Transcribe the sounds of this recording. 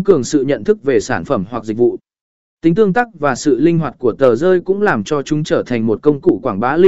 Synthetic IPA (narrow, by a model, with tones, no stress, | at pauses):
kɨ˨˩əŋsɨ̰˧˨ɲə̰˧˨nt̪ʰɨ˦˥k̚ve˨˩saː˧˩nfə˧˩mwa˨˩k̚zï̟˨˩vṵ˧˨ | t̪ï˨˦ŋ̟t̪ɨ˧əŋt̪a˦˥k̚vaː˨˩sɨ̰˧˨lï˧ŋ̟ɦwaː˨˩t̚ku˧˩ət̪əː˨˩zəː˧jkʊ̰˧˥ŋ͡mlaː˨˩mt͡ɕɔ˧t͡ɕʊ˨˦ŋ͡mt͡ɕəː˧˩t̪ʰa˨˩ŋ̟mo˨˩t̚kə˧wŋ͡mkṵ˧˨kwaː˧˩ŋɓaː˨˦li˧